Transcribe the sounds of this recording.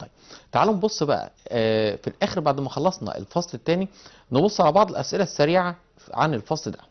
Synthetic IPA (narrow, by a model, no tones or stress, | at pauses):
t̪ˤɑjbt̪aʕalːombosˤːbæʔæ̰filʔæːxeɾbaʕd̪mæxɑlˤːɑsˤnɑ̰ʔḛlfɑsˤlet̪ːæːni | nebosˤːʕalæbɑʕd̪ˤelʔæsʔelæsːæɾiːʕa | ʕa̰nelfɑsˤld̪æ̥